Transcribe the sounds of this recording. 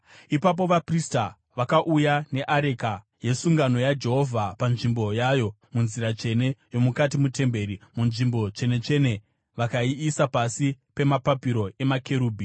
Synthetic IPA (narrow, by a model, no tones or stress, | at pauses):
ipap̬o̞ʋaprista | ʋakaʔujane̞ʔaɾe̞ka | je̞suŋɡano̞jad͡ʒe̞ɦo̞vʱapanʐimbo̞jajo̞ | munziɾat͡ʃe̞ne̞jo̞mukatimute̞mbe̞ɾimunʐimbo̞t͡ʃe̞ne̞t͡ʃe̞ne̞ | ʋakaiːsapasipe̞mapapiɾo̞e̞makʰe̞ɾuːbʱi